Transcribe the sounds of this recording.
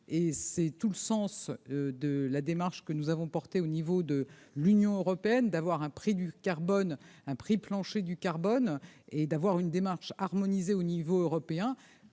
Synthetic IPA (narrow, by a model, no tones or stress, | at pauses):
esɛt̪uləsɑ̃sød̪əlad̪emaʁʃkənuzavɔ̃pɔʁt̪eonivod̪əlynjɔ̃øʁɔpeɛnd̪avwaʁɛ̃pχid̪ykaʁbɔnɛ̃pχiplɑ̃ʃed̪ykaʁbɔned̪avwaʁynd̪emaʁʃaʁmɔnizeonivoøʁɔpeɛ̃